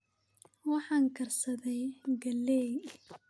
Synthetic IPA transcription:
wɑħɑːŋkʰɐrsɐðɛjɡɐlːɛː

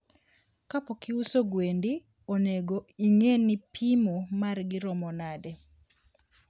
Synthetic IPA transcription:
kapokɪusoɡwendi | oneɡoiŋenipʰimumarɡɪɾɔmɔnadɛ

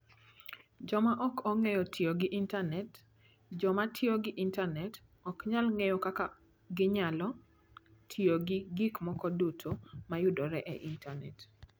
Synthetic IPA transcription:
d͡ʒɔmaʔɔkɔŋɛjɔtʰioɡɪʔintanɛt | d͡ʒɔmatʰjoɡɪʔintanɛt | ɔkɲalŋejɔkaka | ɡɪɲalɔ | tʰioɡɪɡikmɔkɔdutʰomajʊdɔɾɛʔɛ̰ʔintʰanɛt

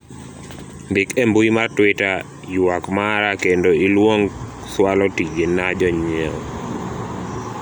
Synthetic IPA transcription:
mbɪkembuimartwɪta | jwakmaɾakendoilwoŋswalɔtid͡ʒenad͡ʒɔɲɛ

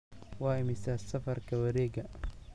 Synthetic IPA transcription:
wɑːɪmɪsaːsɐfɐrkʰɐwɐɾɛːɡɐ

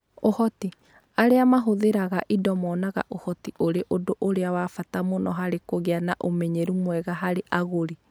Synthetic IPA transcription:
ohɔti | aɾeamaɦoðeɾaɣaʔidɔmɔnaɣa̰ʔohɔtiʔoɾeʔodoʔoɾeawaːfatamonɔɦaɾekoɣeanaʔomɛɲeɾumwɛɣaɦaɾeʔaɣoɾi

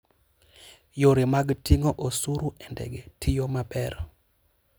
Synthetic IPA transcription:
joɾemaɡtiŋoʔosuɾuɛndɛ̰ɡɛtʰijomabɛɾɔ

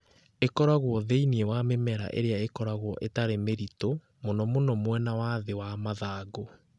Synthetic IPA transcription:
ekɔɾaɣwɔðeiniewamemɛɾa̰ʔḛɾeaekɔɾaɣwɔʔetaɾemeɾito | monɔmonɔmwɛnawaðewamaðaːɡo

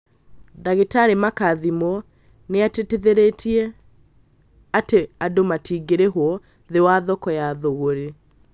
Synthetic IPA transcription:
daɣetaɾemakaðimɔ | neateteðeɾetiɛ | ateadomatiɡeɾeɦwɔ | ðewaðɔkɔjaðoɣoɾe

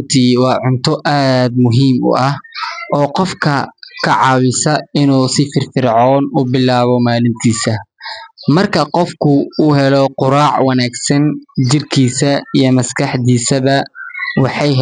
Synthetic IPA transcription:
t̪ʰiːwɑːʕʊnt̪ʰɔʔaːd̪mʊɦiːmʊ̰ʔɐhʔɔːqɔfkʰɐkʰɐʕɑːwɪsɐɪnuːsɪfɪrfɪrʕɔːnʊbɪlaːβɔmaːlɪnt̪ʰiːsɐ | mɐrkʰɐqɔfkʰʊuːɦɛlɔqʊɾaːʕwɐnaːɡsɐnt͡ʃɪrkʰiːsɐijɞmɐskʰɑħd̪iːsɐβɐwɑħɑjɦ

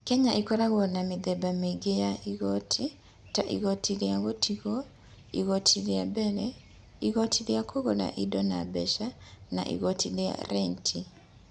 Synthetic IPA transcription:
kɛɲaʔikɔɾaɣɔnameðɛbameɡejaʔiɣɔtʰi | taʔḭɣɔtiɾeaɣotʰiɣɔ | iɣɔtʰiɾeabɛɾɛ | iɣɔtʰileakʰoɣɔna̰ʔidɔna̰bɛʃana̰ʔḭɣɔtilea̰ɾɛntʰi

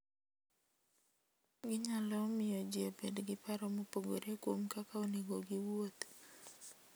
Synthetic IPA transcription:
ɡɪɲalɔmɪjɔd͡ʒɪobedɡɪpaɾɔmopoɡo̰ɾekwomkakaoneɡoɡiwot̪

